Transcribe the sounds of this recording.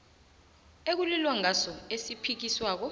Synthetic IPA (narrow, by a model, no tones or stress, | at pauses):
ek̬ulilwaŋasɔesipʰik̬iswaːk̬ɔ